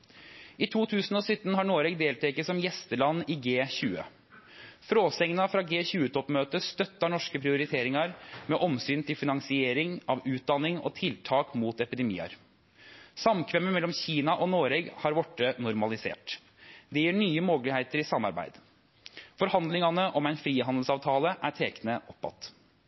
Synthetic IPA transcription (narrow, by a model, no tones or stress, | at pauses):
ɪt̪ʰuːt̪ʰʉːsən̩ɔːsʏt̪ːənɦɑɳoːɾɛɡd̪eːlt̪ʰɛkəsɔmjɛst̪əlɑnːɪɡeːçʉːə̰ | fɾoːsɛŋnɑfɾɑːɡeːçʉːət̪ʰɔpmøːt̪əst̪œt̪ːɑɳɔʂkəpʰɾɪʊɾɪt̪ʰeːɾɪŋɑɾmɛʔɔmsyːnt̪ʰɪlfɪnɑŋsɪeːɾɪŋɑʋʉːt̪̚d̪ɑnːɪŋɔ̰t̪ʰɪlt̪ʰɑːkmuːt̪ɛpɪd̪ɛmḭːɑ̰ɾ | sɑmkʰʋɛmːəmɛlːɔmçiːnɑʔɔnoːɾɛɡhɑɾʋɔʈːənʊɾmɑlɪsḛːʈ | d̪ɛjiːɳyːəmoːɡlɪheɪt̪əɾɪsɑmːɑ̰ɾbæ̰ɪd̪ | fɔɾhɑnd̪lɪŋɑnəʔɔmæɪnfɾiːhɑnd̪lsɑːʋt̪ʰɑːləʔæʈʰeːknəʔɔpːɑ̰t̪ː